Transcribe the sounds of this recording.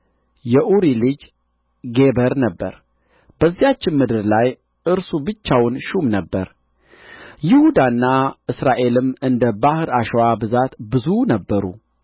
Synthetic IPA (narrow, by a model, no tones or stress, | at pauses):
jɛʔuɾilɨd͡ʒ | ɡe̞bəɾnəbːə̰ɾ | b̥əzːijat͡ʃːɪnmɨd̪ɨɾlaj | ʔɨɾsubɨt͡ʃːawnʃumnəbːəɾ | jɪhud̪anːaʔɨsɾaʔe̞lɨmɨnd̪əbahɨɾaʃowabɨzat̪bɨzunəbːəɾṵ